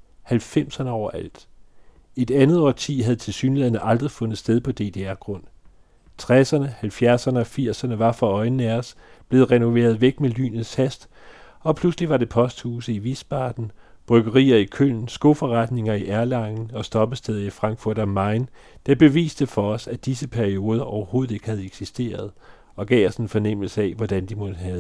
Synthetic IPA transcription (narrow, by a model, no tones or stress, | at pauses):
hælfem̰sɐnəɒʊɐʔæl̰d̥ | e̝d̥ænð̞̩ˠɒ̰t͡sʰiːɦæðˠt͡sʰe̝lsyːnlɛðˠnəʔɑ̈ld̥ʁifɔ̽nð̩ˠsd̥eð̞ˠpʰɒ̽d̥e̝̰ːd̥e̝æɐɡ̥ʁɔ̽n̰ | t͡sʰʁasɐnəhælfjæɐsɐnəɒ̽fiɐ̰sɐnəʋɑ̈fʁɑ̈ɒ̽ɪnn̩æɒs | b̥le̝ːð̩ˠʁɛno̝ʋe̝̰ːɐð̞̩ˠʋeɡ̥mely̰ːnð̩ˠshæsd̥ | ɒ̽pʰlusliʋɑ̈ɾ̥e̝pʰɒ̽sd̥huːsəiʋisb̥ɑ̰̈d̥n̩b̥ʁœɡ̥ɐʁḭːɐikʰøn̰n̩sɡ̥o̝fɒʁɑd̥ne̝ŋɐiʔæɐlɑ̈ŋn̩ɒ̽sd̥ɒ̽b̥əsd̥eð̞ˠɐifʁɑ̈ŋɡ̥fuɐ̰ɾ̥ɒ̽mɑ̈ɪn | d̥ɑb̥e̝ʋḭːsd̥əfɒ̽ɒ̽sæd̥isəpʰæɐio̝ːð̞ˠɐʔɒʊɐho̝ːð̩ˠe̝ɡ̥əhæð̞̩ˠeɡ̥sisd̥e̝̰ːɐð̞ˠ | ɒ̽ɡ̥ɛ̰ːɒsenfɒnem̰l̩səɛʋɒd̥ænd̥imɔ̽d̥əɦɛð̩ˠ